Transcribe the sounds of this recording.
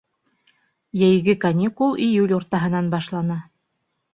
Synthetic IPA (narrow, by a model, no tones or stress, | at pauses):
jæjɡɘkɐnʲikulˠijulʲuɾt̪ɑɦɤ̆nɑnbɑʃlˠɑnɑ